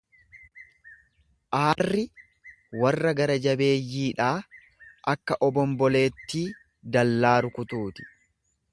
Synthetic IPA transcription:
ʔaːrːɪ | wɐrːɐɡɐɾɐd͡ʒɐbe̞ːjːiːᶑaː | ʔɐkːɐʔɔbɔmbɔle̞ːt̪ːiː | d̪ɐlːaːɾʊkʊt̪uːt̪ɪ̥

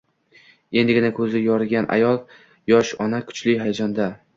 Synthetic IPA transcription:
e̞nd̪ɪɡʲɪnakʰɵzɪjɒɾɪɡʲanʔa̰jɒlˠ | jɒʃɒnakʰʊ̥t͡ʃlɪɦajad͡ʒɒnd̪a

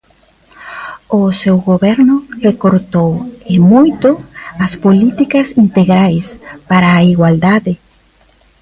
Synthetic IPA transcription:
osewɣoβeɾnʊrekoɾt̪owemujt̪oaspolit̪ikasint̪eɣɾajspaɾaːiɣwald̪aðe

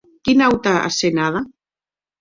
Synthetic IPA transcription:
kinawt̪aa̰senaða

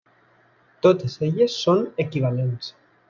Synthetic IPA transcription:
t̪ot̪ezeʎesːonekiβ̞alens

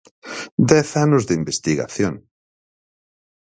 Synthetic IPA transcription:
d̪ɛθanʊzðimbest̪iɣa̰θjoŋ

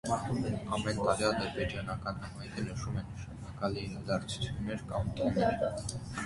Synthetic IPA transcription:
ɑmɛnt̪ɑɾiɑd̪əɾbɛd͡ʒɑnɑkɑnhɑmɑjk̪ʰənəʃumɛnːəʃɑnɑkɑlinɑd̪ɑɾt͡sʰu̥t͡sʰjunːɛɾkɑmt̪unɛɾ

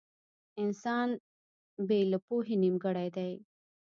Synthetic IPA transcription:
ɪnsɑːn | belapoɦinimɡəɽajd̪aj

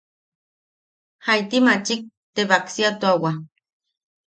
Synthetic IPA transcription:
hajt̪imat͡ʃik̚ | t̪eβaksiat̪uawa

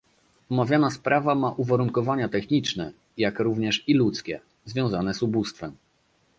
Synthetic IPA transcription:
ɔmavʲjanaspɾavamaʔuvaɾuŋkɔvaɲat̪ɛxɲit͡ʂnɛ | jakɾuvɲɛʂilut̪skʲɛ | zvʲjɔ̃w̃zanɛzubust̪fɛm

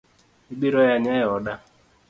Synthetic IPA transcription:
iɡ͡biɾɔjaɲɛɔda

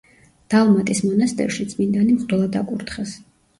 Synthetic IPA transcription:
d̪̥alˠmat̪ʼismɔnast̪ʼɛ̰ɾʃit̪sʼmind̪animχʼd̪ɛlˠad̪a̰kʼuɾt̪ʰχɛs

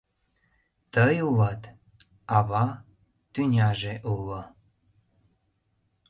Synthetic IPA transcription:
t̪əjulɑt̪ | ɑβɑ | t̪ynʲɑʒeʔulo

